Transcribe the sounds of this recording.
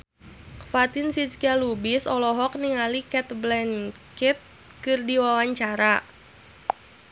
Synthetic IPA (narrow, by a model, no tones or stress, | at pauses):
fat̪ɪnsit͡ʃkalubisɔlɔɦɔk̚niŋalikɛt̪blɛn | kit̪̚ | kɨrdiwawaɲt͡ʃaɾa